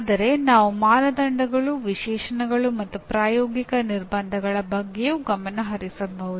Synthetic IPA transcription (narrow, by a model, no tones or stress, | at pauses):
d̪ɐɾe̞naːʋumaːnɐd̪ɐɳɖʱɐɡɐɭuʋiʃɛːʂɐnɐɡɐɭumɐt̪ːupɾaːjɔːɡikɐniɾbɐnd̪ʱɐɡɐɭɐbɐɡːejuɡɐmɐnɐɦɐɾisɐnbɐʋud̪